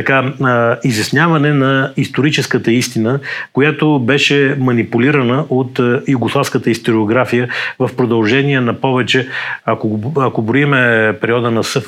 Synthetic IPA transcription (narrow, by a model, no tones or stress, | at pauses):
t̪ɐkaizjɐsnʲjavɐnɛnɐist̪oɾit͡ʃɛskət̪əist̪inəkojat̪obɛʃɛmɐnipuliɾɐnəʔot̪juɡoslˠafskət̪əist̪oɾioɡɾafijəvɐfpɾod̪ɐlˠʒɛniɛnɐpɔvɛt͡ʃɛɐkoɐkobɾoimɛpɛɾiɔd̪ənɐsɤf